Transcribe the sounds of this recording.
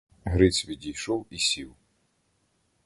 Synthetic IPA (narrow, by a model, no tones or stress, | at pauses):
ɦɾɪt͡sʲʋʲidʲijʃɔwisʲiw